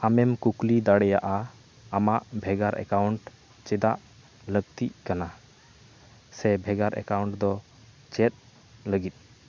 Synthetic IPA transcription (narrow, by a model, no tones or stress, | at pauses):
amɛmkuklid̪aɽɛjaʔa | amaʔbʱɛɡaɾʔɛ̰kawuɳʈ | t͡ʃɛd̪aʔ | ləɡ̚t̪iʔkana | sɛbʱɛɡaɾɛ̰kawɳʈd̪ɔ | t͡ʃɛt̪̚ | ləɡit̪̚ˀ